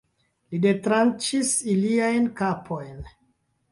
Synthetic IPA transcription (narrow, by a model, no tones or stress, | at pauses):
lide̞tɾant͡ʃisiliajnkapʰo̞jn